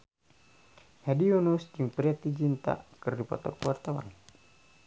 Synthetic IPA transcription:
hɛdiɔnusd͡ʒɨŋpɾiat̪id͡ʒint̪a̰kɨrdipɔ̰t̪ɔ̰kwart̪awa̰n

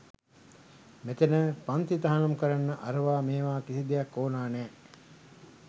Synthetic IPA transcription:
met̪enəpant̪it̪aɦanɐmukəɾanːəʔaɾəʋaːmeːʋaːkisid̪ejɐkːoːnaːnɛː

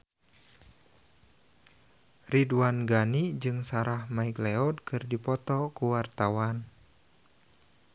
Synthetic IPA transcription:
riduanɡanid͡ʒɨŋsaɾahmaikleɔdkʰɨrdipɔt̪ɔkuwart̪awan

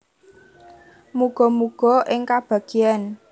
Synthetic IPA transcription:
muɡ̥ɔ̤muɡ̥ɔ̤ʔɪŋkab̥a̤ɡ̥ian

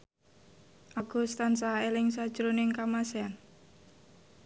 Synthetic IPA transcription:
ʔaɡ̥ṳst̪ansaelɪŋsad̥ʒ̥ɾonɪŋkamasean

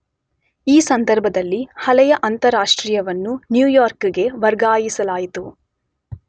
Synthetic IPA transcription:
iːsɐnd̪ɐɾbʱɐd̪ɐlːihɐlɛjɐʔɐnt̪ɐɾaːʂʈɾiːjɐʋɐnːunjuːjaːɾkɡe̞ʋɐɾɡaːjisɐlaːjit̪u

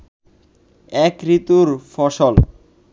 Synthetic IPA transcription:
ɛkɾit̪uɾfɔʃol

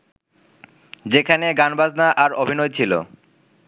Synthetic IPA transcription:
d͡ʑekʰaneɡanbad͡ʑnaʔaɾobʱinojt͡ɕʰilo̰

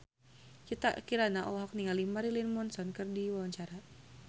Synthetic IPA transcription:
kit̪a̰ʔkiɾanaʔɔɦɔk̚niŋalimaɾilinmɔnsɔnkɨrdiwawaɲt͡ʃaɾa

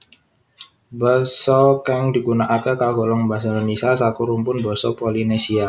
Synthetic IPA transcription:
bəsɔkɛŋdi̤ɡunaʔakəkaɡɔlɔŋbasaɾnisas̬akuɾumpʊnbɔsɔpolinesia

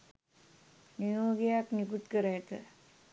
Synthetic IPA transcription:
nijoːɡejaknikut̪kəɾajt̪ə̰

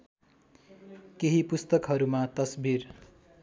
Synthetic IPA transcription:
keɦipust̪ʌkɦʌɾumat̪ʌsbʱir

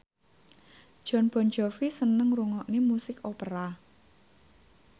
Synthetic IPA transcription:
d̥ʒ̥ɔ̤nb̥ɔ̤nd͡ʒɔfisənəŋɾuŋɔʔnemusɪkopəɾa

